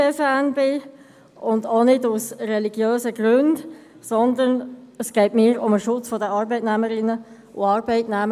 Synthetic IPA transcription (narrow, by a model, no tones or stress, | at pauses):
əfæːnbɪ | ʊndonɪdusrɛliɡjøːzəɡɾønd | sɔnd̪ənəsɡ̥ɛɪtmɪːɾʊməʃʊt͡sfɔdəɑːɾbɛɪtnæməɾɪnːə | ʔṵɑːɾbɛɪtnæmə